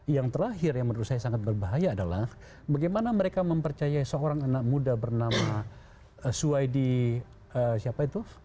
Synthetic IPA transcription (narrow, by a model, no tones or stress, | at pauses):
jaŋt̪əɾaɦɪrjaŋmənəɾusajasaŋat̪̚bərbaɦajaːdala̰h | baɡajmanaməɾekaməmpərt͡ʃajaisəoɾaŋanak̚mudabərnama | suajdi | əsiapait̪u